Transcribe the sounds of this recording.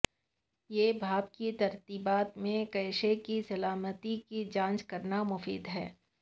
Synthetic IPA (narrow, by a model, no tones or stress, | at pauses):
jeːbʱaːbkit̪ɐɾt̪iːbaːt̪mẽkɐɪʃekisɐlaːmət̪ikid͡ʒãːnt͡ʃkɐɾnamʊfḭːd̪ɦɛː